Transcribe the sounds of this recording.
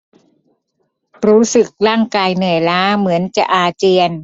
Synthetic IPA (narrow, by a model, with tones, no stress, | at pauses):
ɾuː˦˥sɯ˨˩k̚ɾaː˥˩ŋkaː˧jnɯ˨˩əjlaː˦˥mɯ˩˦ənt͡ɕa˨˩ʔaː˧t͡ɕi˧ən